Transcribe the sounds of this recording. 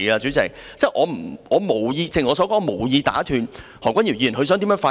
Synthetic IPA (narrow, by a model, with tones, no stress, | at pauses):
aː˧t͡syː˨˥t͡sɪ˨˩kt͡sɛ˥˩ʔɔː˨˧m̩˨˩ʔɔː˨˧mo˨˩wjiː˧t͡sɪ˨ŋɔː˨˧sɔː˨˥kɔː˥ŋɔ˧mo˨˩wjiː˧t̪a̰ː˨˥t̪ʰyː˨˩nhɔː˨˩kʷwʷɐ˥nji˨˩wji˧˨˩nɦɵ˧sœː˨˥ŋt̪i˨˥mœː˨˧˥faː˧